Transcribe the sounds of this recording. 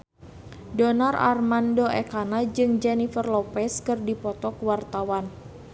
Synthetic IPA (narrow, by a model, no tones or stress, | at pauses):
dɔnara̰rmandoɛkanad͡ʒɨŋd͡ʒɛnifərlɔpɛskɨrdipɔt̪ɔkwart̪awan